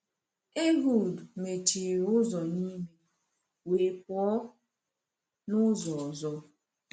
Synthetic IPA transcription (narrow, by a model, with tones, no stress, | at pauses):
e˦ɦu˨dme˨ti˨ɾʊ˦zɔ˨ni˦me˨ | we˨k̚ɔ˦ | nʊ˦zɔ˨ɔ˨zɔ˦